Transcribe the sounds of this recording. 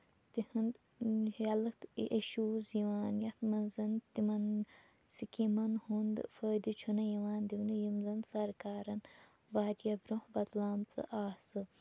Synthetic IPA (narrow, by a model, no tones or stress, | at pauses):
t̪ihɨnd̪ | ɐlɐt̪ʔeʃuːziʋaːnjɐt̪mɐnzɐnt̪imɐn | sikimɐnhund̪fəːd̪it͡ʃʰunɐjiʋaːnd̪iwnɨjimzɐnsɐɾkaːɾɐn | baːɾjɐbɾohbɐt̪laːmt͡sɨ̰ʔaːsɨ